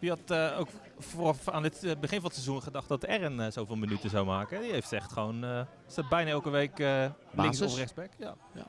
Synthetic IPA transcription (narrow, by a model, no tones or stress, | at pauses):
ʋiɑtəowk | forfaːndɪtbəχɪnvɑnətsezunχədɑχt̚dɑtɛrənəzowvɪːlˠmənytəzawmaːkəɛdiɦejftsɛχtχəʋownə | staːt̚bɛjnaːɛlˠkəʋejkə | lɪŋsɔfrɛχsbɛkja̰